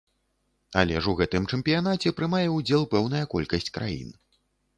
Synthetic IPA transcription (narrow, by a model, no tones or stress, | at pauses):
alʲɛʐuɣɛt̪ɨmt͡ʂɛmpʲijanat͡sʲɛpɾɨmajɛud͡zʲɛlˠpɛwn̪ɐjɐkɔ̰lʲkɐsʲt͡sʲkɾa̰jḭn